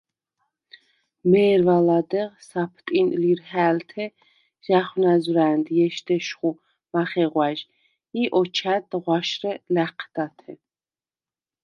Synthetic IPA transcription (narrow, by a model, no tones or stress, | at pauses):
mɛːɾvalad̪ɛʁsapʰt̪ʼinliɾhæːlt̪ʰɛ | ʒ̥aχwnazɾæːnd̪jɛʃd̪ɛʃχu | maχɛʁwaʒ | iʔɔt͡ʃʰæt̪ʁwaʃrɛlæqʰd̪̥at̪ʰɛ